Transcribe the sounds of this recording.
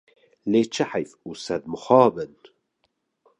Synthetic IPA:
leːt͡ʃʰəħajfuːsɛd̪̚məxɑːbən

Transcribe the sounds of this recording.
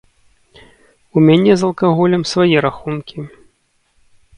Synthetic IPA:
umʲanʲɛzɐlˠkaɣɔlʲɐmsvajɛɾaxunkʲi

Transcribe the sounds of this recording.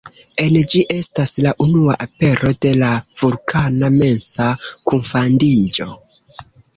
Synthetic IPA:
e̞nd͡ʒiʔe̞staslaʔunuaʔape̞ɾʔo̞de̞lav̥uɾkʰaname̞nsakuɱfandid͡ʒo̞

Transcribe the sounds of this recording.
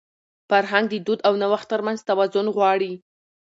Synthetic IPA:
faɾɦaŋɡ̚d̪əd̪ud̪awnawaxt̪ːəɾmanzt̪awazʊnɣwɑɽi

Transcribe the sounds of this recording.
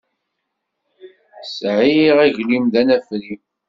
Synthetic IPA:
sʕiʁæʝlimðænæfɾi

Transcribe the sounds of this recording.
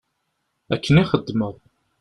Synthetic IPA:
ækːəniχəd̪ːməʁ

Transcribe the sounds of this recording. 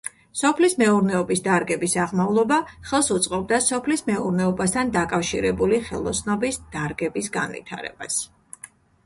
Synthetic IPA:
sɔpʰlismɛuɾnɛɔbisd̪aɾɡɛbisaʁmavlˠɔbaχɛlˠsut̪sʼqʼɔb̚d̪asɔpʰlismɛuɾnɛɔbast̪ʰand̪akʼafʃḭɾɛbuliχɛ̰lˠɔsnɔbisd̪̥aɾɡɛbisɡa̰nvḭt̪ʰa̰ɾɛ̰b̥a̰s

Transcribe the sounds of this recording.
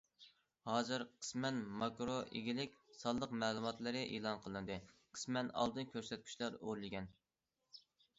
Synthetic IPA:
hɑːzɨɾqʰə̥smɛnmɑkɾoʔḛɡʲilɪkʲsɑlˠːəqmæːlˠumɑt̪lˠɨɾɨʔeːlˠɑnqʰəlˠɨnɨd̪ɨqʰə̥smɛnɑ̰lˠd̪ɨnkʲʰøɾsɛt̪̚kʲʰy̥ʃlæɾoɾlˠɪɡʲɛn

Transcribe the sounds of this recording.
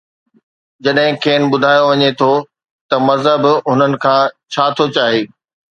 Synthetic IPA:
d͡ʑɐɗɦɪ̃kʰeːnɓʊd̪ʱaːjoʋɐɲet̪ʰo | t̪ɐmɐzɦəbɦʊnənɪ̆kʰãːt͡ɕʰaːt̪ʰot͡ɕaːɦeː

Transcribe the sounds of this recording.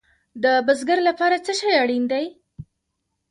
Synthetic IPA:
d̪əbəzɡəɾlapɑɾat͡səʃɑjaɽind̪aj

